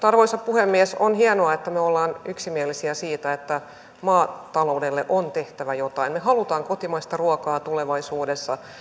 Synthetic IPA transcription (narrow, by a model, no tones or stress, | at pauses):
t̪ɑrʋoisɑppuhemːiɛsonhienoɑet̪ːæmyøolːɑːnyksimiɛlːisiæsiːt̪æet̪ːæ | mɑːt̪ɑlo̞udelːeʔont̪eht̪æʋæjot̪ɑinmehɑlut̪ɑːŋkot̪imɑist̪ɑruɔkɑːt̪uleʋɑisuːdesːɑ